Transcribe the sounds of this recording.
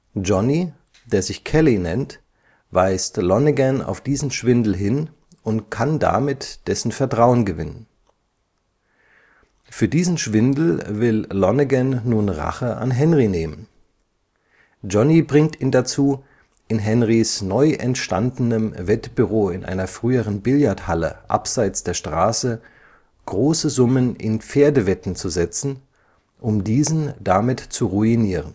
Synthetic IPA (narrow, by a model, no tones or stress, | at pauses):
d͡ʒɔni | deːɐzɪçkʰɛlinɛ̰nt | vaɪstlɔnəɡɛna̰ʊfd̥iːzn̩ʃv̥ɪndl̩ɦɪn | ʊntkʰanda̰mɪtd̥ɛsn̩fɛɐtʁ̥aʊənɡəvɪnən | fyːɐdiːzn̩ʃv̥ɪndl̩vɪllɔnəɡɛnːuːnʁa̰χəʔa̰nɦɛnʁineːmən | d͡ʒɔnibʁɪŋtʰiːndat͡suː | ʔɪnɦɛnʁisnɔʏʔɛ̰ntʃta̰ndnəmvɛtb̥yʁ̞oːɪnʔa̰ɪnɐfʁ̥yːəʁənbɪljaɐthalə̰ʔa̰pz̥aɪt͡sd̥eːɐʃtʁ̥aːsə | ɡ̥ʁoːsəzʊmənʔɪ̰np͡feːɐdəvɛtn̩t͡suzɛt͡sn̩ | ʔʊmdiːzn̩damɪtt͡suʁuiniːʁən